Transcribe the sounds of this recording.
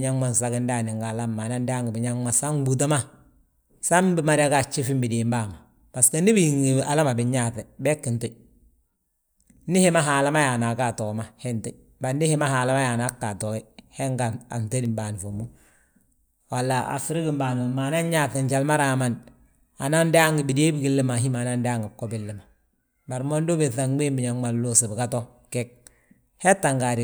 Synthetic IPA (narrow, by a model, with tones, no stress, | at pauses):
ɲa˦ŋma˦nsa˦kɪ˦nda˦˨nɪ˨ŋɡa˨la˦mːa˨na˦nda˦ŋɡi˨bi˨ɲa˦ŋma˦sa˦ŋ˦bu˨t̬a˦ma˦ | sa˦mbɪ˦ma˨ɾa˦ka˨t͡ʃːi˦fi˦mbi˨diː˨mba˦˨ma˨ | b̥a˨ska˦ni˦bi˦˨i˨ŋi˨a˨la˦ma˨bɪ˨ɲa˦˨θɛ˨bɛ˦kːɪ˨nto˦ | nɪ˦hɪ˦ma˦ɦaː˨la˦ma˦ja˨na˨ka˦˨tɔː˨ma˦hɛ˦ntu˦ | ba˨ndɪ˦hɪ˦ma˦haː˨la˦ma˦ja˨na˦kːa˨tɔ˨i˦he˦ŋɡa˨a̰˨nte˦di˨mba˨ni˨fo˨mu˦ | wa˨lːa˨a̰˨fi˦ɾi˦ki˨mbaː˨n˨ma˨na˦ɲɲa˦θe˨ɲt͡ʃa˨lma˦ɾaː˨ma˨n | a˨na˦nda˦ŋɡi˨bi˨de˦bi˦ki˦lːi˦ma˨ɦi˦ma˨na˦nda˦ŋɡɪ˨kːo˦bɪ˨lːɪ˨ma˨ | ba˨ɾmo˦ndo˦be˨θa˨ŋbe˦mbi˨ɲa˨ŋma˨llo˦si˨bɪ˨ka˦to˦ | ke˦k̚ | he˦tːa˨ŋɡa˨ɾi˨